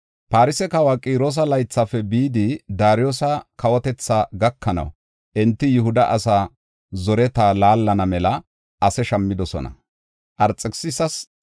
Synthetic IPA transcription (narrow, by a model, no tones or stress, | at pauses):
paːɾɪsɛkɐwaːkʼiːɾoːs̬ɐlɐjt͡sːɐfɛbiːd̪ɪd̪aːɾɪjoːsɐkɐwɔt̪ɛt͡sːaːɡɐkːɐnɐ̰w | ʔɛnt̪ːɪjʊhʊd̪ɐʔɐsaː | zɔɾɛt̪aːlaːlːɐnɐmɛlɐ | ɐsɛʃɐmːɪd̪ɔsɔ̰nɐ̰ | ʔɐɾt͡sʼːɛksɪsɐs